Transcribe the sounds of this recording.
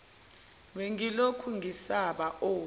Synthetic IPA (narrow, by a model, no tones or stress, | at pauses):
ɓeŋilokʰuŋisaɓaʔoː